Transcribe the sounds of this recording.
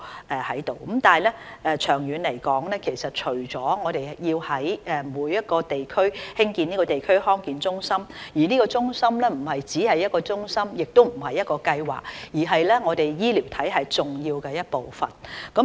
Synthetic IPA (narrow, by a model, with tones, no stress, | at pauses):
ʔɛ˨hɐ˨˥jt̪o˨˩wkmt̪aː˨lɛː˥ɛː˨˧t͡ʃʰœː˨˩ŋjyː˨˧nle˨˩jkɔː˨˥ŋlɛː˥kʰe˨˩jsɐ˨t̚t͡ʃʰɵ˨˩ɥt͡sɔː˨˥ŋɔː˨˧ɾe˨jjiː˧whɐ˨˥jɛː˨muː˨˧jːɐ˥t̚kɔː˧t̪e˨jkʰɵ˥ɥhɪ˥ŋkiː˧niː˥kɔː˧t̪e˨jkʰɵ˥ɥhɔː˥ŋkiː˨˧nt͡sʊ˥ŋsɐ˥mjiː˨˩niː˥kɔː˧t͡sʊ˥ŋsɐ˥mlɛː˥m̩˨˩ɦɐ˨jt͡siː˨˥hɐ˨jːɐ˥t̚kɔː˧t͡sʊ˥ŋsɐ˥mjɪ˨k̚t̪o˥wm̩˨˩hɐ˨jːɐ˥t̚kɔː˧kɐ˧jwa̰ː˨k̚jiː˨˩ɦɐ˨jlɛː˥ŋɔː˨˧t̪e˨jjiː˥liː˨˩wt̪ʰɐ˨˥jɦɐ˨jt͡sʊ˨ŋjiː˧wkɛ˧jɐ˥t̚po˨wfɐ̰˨˩nkɐ˨˥